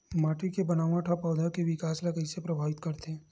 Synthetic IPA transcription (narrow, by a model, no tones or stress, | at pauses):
maːʈikebɐnaːʋãʈʰapɔːd̪ʱakeʋɪkaːslakəisepɾɐbʱaːʋɪt̪kɐɾt̪ẽː